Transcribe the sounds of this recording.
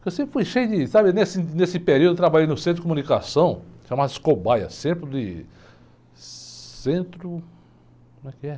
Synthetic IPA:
kewsẽpɾɪ̥fujʃejʊd̪ɪsabɪnesɪnesɪpeɾiud̪et̪ɾabaʎejnʊsẽt̪ɾd͡ʒɪkõmũnikasɐ̃w̃ʃãmad̪skobajɐ̰sẽpɾɪd̪ɪ | sẽnt̪ɾʊ | kõmɛkɪɛ

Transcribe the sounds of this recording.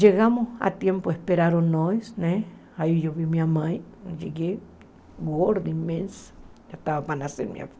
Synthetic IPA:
d͡ʒeɣamosa̰t̪jempoehpeɾaɾonoesne | ajjoβimiamajd͡ʒeɡe | ɡoɾd̪immensḁ | aht̪aβapanasḛɾmja̰p

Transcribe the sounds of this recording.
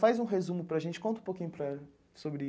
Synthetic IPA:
fajzũɦezũmʊpɾɐʒẽnt͡ʃɪ̥kõnt̪ũpokĩɲʊpɾɐ | sobɾɪ

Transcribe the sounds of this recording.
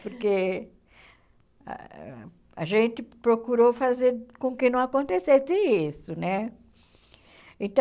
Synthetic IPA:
poɾke | a̰ʒẽnt̪ɪpɾokuɾofazeɾkõkɪnɐ̃w̃akõnt̪esesɪisʊnɛ | ẽt̪ɐ̃

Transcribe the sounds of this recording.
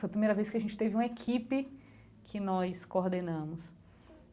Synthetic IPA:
fojɐpɾimejɾɐvejskɪɐʒẽnt͡ʃɪ̥t̪evɪũmɐekʰipɪ | kʰɪnɔskoɾd̪enɐ̃mʊs

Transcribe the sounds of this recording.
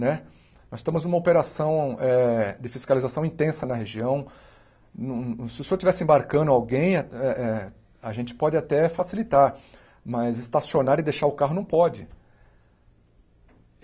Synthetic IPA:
nɛ | nɔzsɪst̪ɐ̃mʊznumɐopeɾasɐ̃w̃ɛd͡ʒɪfiskalizasɐ̃w̃ĩnt̪ẽsɐnɐɦeʒiɐ̃w̃ | ñsɪʊsot͡ʃivɛsɪẽbaɾkɐ̃nd̪ʊawɡẽj̃ɛʔɛ | aʒẽnt͡ʃɪ̥pɔd͡ʒɪat̪ɛfasilit̪aɾ | mɐzɪst̪asionaɾɪd̪eʃaɾʊkaɦʊnɐ̃w̃pɔd͡ʒɪ

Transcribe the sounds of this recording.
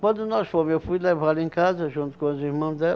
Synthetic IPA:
kwɐ̃nd̪ʊnɔʃfõmzewfujlevalẽkazɐʒũnt̪u̥kõɐziɾmɐ̃d̪ɛ

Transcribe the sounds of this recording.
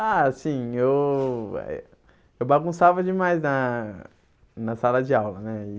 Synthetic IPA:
aasĩew̰ | ewbaɡũsavɐd͡ʒɪmajznɐ | nɐsalɐd͡ʒɪawlɐnɛɪ

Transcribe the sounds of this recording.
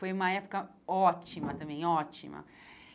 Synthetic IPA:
femãjapkã | ot͡ʃimãt̪ãmẽot͡ʃḭmã̰

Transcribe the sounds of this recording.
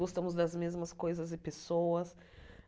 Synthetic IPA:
ɔst̪ɐ̃mʊzd̪ɐzmezmɐskojzɐzɪpesowɐs

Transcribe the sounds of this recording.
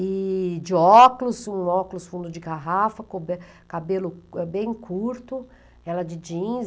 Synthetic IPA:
ɪd͡ʒɪɔklʊsũɔklʊsfũnd̪ʊd͡ʒɪɡaɦafɐkõbe | kabelʊɛbẽj̃kʰuɾt̪ʊ | ɛlɐd͡ʒɪd͡ʒĩ

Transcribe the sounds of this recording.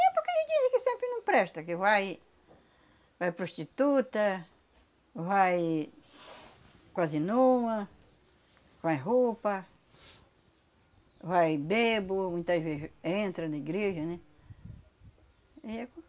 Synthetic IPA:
ɛpokeʒẽd͡ʒ̪izɪkɪsẽmpɾɪnɐ̃w̃pɾɛʃt̪ɐkɪvaj | vajpɾoʃt͡ʃ̪it̪ut̪ɐ | vaj | kwazɪnũmɐ | vajɦopɐ | vajbebomũj̃t̪ɐzvezɪẽnt̪ɾɐ̃nɐiɡɾeʒɐnɛ̃ | iɛk

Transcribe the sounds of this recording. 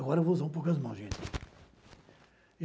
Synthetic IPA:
ɡɔɾɐvouzaũp̬owkɐzmɐ̃w̃zʒẽt͡ʃɪ̥

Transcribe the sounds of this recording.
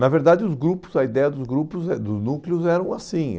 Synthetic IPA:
nɐveɾd̪ad͡ʒɪʊzɡɾupʊ̥zɐid̪ɛjɐd̪ʊzɡɾupʊzɛd̪ʊznuklɪʊzɛɾɐ̃w̃asĩ

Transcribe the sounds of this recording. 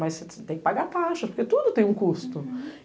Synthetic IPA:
mɐsseset̪ẽj̃kɪpaɡaɾt̪aʃɐspoɾket̪ud̪ʊt̪ẽj̃ũkust̪ʊ

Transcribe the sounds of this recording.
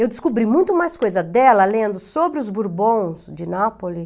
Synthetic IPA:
ewd̪ɪskubɾimũj̃t̪ʊmajskojzɐd̪ɛlɐlẽnd̪ʊsobɾɪʊzbuɾbõw̃sd͡ʒɪnapolɪ

